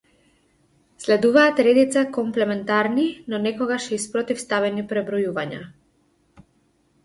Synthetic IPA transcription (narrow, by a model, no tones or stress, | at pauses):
slɛd̪uvaːt̪ɾɛd̪it̪sakɔmplɛmɛnt̪aɾninɔnɛkɔɡaʃispɾɔt̪ifst̪avɛnipɾɛbɾɔjuvaɲa̰